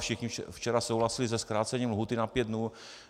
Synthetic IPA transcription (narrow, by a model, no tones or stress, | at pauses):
fʃɪxɲift͡ʃɛɾasowɦlasɪlizɛskɾaːt͡sɛɲiːmlɦuːt̪ɪnapjɛd̪dnuː